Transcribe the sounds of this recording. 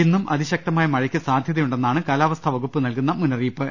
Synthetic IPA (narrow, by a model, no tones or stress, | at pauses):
inːumʔɐðiɕɐk̚t̪ɐmaːjɐmɐɻɐkʲːɐsaːd̪ʱjɐðɐjuɳɖe̞nːaːɳɨkaːlaːʋɐst̪ʰɐʋɐɣupːɨnɐlkunːɐmunɐriːpːɨ